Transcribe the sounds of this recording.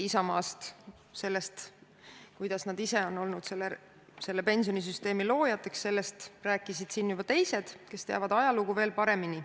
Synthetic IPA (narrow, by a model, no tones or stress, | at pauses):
isɑmɑːst̪ | se̞lːe̞st̪ | kujd̪̥ɑsnɑd̪ise̞o̞no̞lnud̪̥se̞lːe | se̞lːe̞pe̞nʲsijo̞nis̬yst̪e̞ːmilo̞ːjɑt̪ˑːe̞ksse̞lːe̞st̪ræːkːˑisid̪̥sinːjubɑt̪e̞jse̞d̪̥ke̞st̪eɑ̰vɑd̪ɑjɑluɡuve̞ːlpɑɾe̞mini